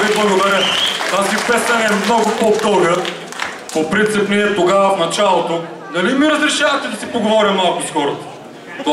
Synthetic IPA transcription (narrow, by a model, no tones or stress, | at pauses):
viblˠɐɡod̪ɐɾʲət̪azipɛst̪ɐnɛːmnɔɡopot̪ɤlˠɡə | popɾint̪sipniɛt̪oɡavɐfnɐt͡ʃalˠot̪o | nɐlimiɾɐzɾɛʃavɐt̪ɛd̪ɐsipoɡovɔɾʲɐmːalˠkoskɔɾo | t̪